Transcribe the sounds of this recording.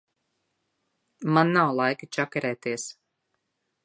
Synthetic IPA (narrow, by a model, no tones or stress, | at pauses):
manːawlˠajkɨt͡ʃakɛɾɛːt̪iɛs